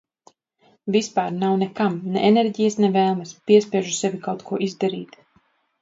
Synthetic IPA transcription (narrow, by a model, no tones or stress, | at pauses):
vispaːɾnawnɛkamnɛ̰ʔenɛɾɟijasnɛvɛːlˠmɐspʲiɛspʲiɛʒusɛvʲikawt̪kuɔʔizd̪aɾḭːt̪